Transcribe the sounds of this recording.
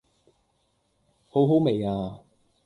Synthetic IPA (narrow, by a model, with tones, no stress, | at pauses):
ho˨˥wɦo˨˥wme˨jaː˧